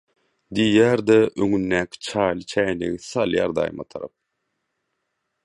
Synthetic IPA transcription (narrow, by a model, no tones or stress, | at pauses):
d̪ijæːɾd̪eʔøŋynːæːkʰʲi̥t͡ʃʰɑːjlˠɯt͡ʃʰæːnḛɣiθɑlˠjɑ̰ːɾd̪ɑ̰jmɑ̰t̪ʰɑɾɑ̰p̚